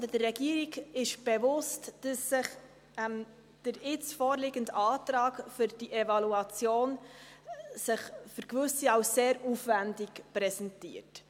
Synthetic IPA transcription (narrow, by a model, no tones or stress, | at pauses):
dədəːɛɡiːəɾiɡɪʃb̥ɛvʊstd̥əsːɪχ | ɛm | d̥əɾɪt͡sfoːɾlɪɡəndɑːtɾɑːkfʏɾd̥iʔɛvɑluɑt͡sjoːn | sɪχfʏɾkvʏsiɑʊsːeːɾuːfvændɪkpɾɛsɛntḭːəɾt